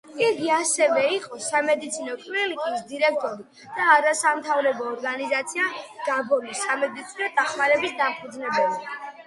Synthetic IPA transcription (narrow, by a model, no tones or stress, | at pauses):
iɡiasɛvɛiqʼɔsamɛd̪it̪sʰinɔkʼvɛlik̪ʼisd̪iɾɛk̚ʰt̪ʼɔɾi | d̪̥aːɾasamt̪ʰavɾɛbɔːɾɡanizat̪sʰiaɡ̥abɔnisamɛd̪it̪sʰinɔd̪aχmaɾɛbisd̪ampʰud̪znɛbɛli